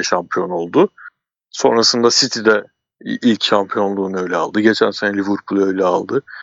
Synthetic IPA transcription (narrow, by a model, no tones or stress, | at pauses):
ɛʃampʰijo̞no̞lˠd̪ʊ | so̞̰nɾasɯnd̪asit̪ʰid̪ɛ | ʔilʲcʃampʰijo̞nlˠuːnø̞jlʲɛa̰lˠd̪ɯɟe̞t͡ʃʰænsenɛlʲivɯɾpʰulˠø̞jlʲɛalˠd̪ɯ